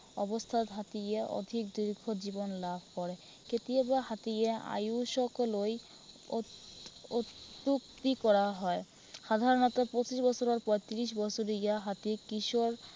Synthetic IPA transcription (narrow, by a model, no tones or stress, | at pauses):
ɔbost̪ʰad̪ɦat̪ijeɔ̰d̪ʱik̚d̪iɾɡʱod͡ʑibonlabʱkɔɾe | ket̪iebaɦat̪ijea̰juʃɔkoloj | ot̪ːuk̚t̪ikɔɾaɦɔe | ʃad̪ʱaɾonɔt̪apot͡ɕiʃbɔt͡ɕʰoɾaɾpɔjt̪iɾiʃ̬bɔt͡ɕʰoɾijaɦat̪ikiʃoɾ